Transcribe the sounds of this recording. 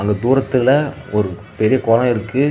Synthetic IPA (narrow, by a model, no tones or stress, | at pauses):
ɐŋɡɐd̪uːɾɐt̪ːɪlɐ | ɔɾɯ | pɛɾɪjɐkɔːlɐ̃ɪɾɯkːɯ